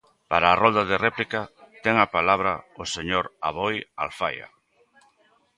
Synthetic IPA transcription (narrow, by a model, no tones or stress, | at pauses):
paɾaːrɔnd̪aðerɛplikat̪ɛŋapalaβɾa̰oseɲoɾaβoja̰lfa̰ja̰